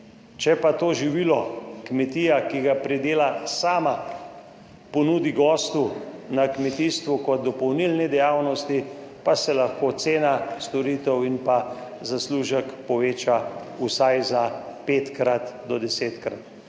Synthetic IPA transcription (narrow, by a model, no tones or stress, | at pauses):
t͡ʃɛpat̪oːʒiʋilɔkmɛt̪ijakiɡapɾɛd̪eːlasaːma | pɔnuːd̪iɡɔːst̪unakmɛt̪ist̪ʋukɔt̪̚d̪ɔpɔwnilnɛd̪ɛjaːwnɔst̪ipasɛlaxkoːt̪seːnast̪ɔɾiːt̪ɛwinpa | zasluːʒəkpɔʋeːt͡ʃausajzapeːt̪kɾat̪d̪ɔd̪ɛseːt̪kɾat̪